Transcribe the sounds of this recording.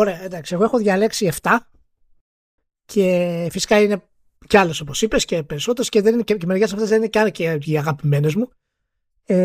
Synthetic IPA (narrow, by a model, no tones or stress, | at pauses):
oɾe̞ɐend̪ɐksieɣoexo̞ðʝɐleksie̞ft̪ɐ | cʰe̞fisi̥kɐine̞ | ceɐlo̞so̞po̞sipesce̞pe̞ɾisot̪e̞ɾosceðeninececemeʝesɐft̪ezðenineceɐnɐceiiɐɣɐpime̞ne̞zmu | e